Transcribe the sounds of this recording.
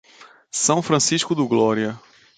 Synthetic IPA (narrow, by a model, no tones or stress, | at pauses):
sɐ̃w̃fɾɐ̃siʃkʊd̪ʊɡlɔɾiɐ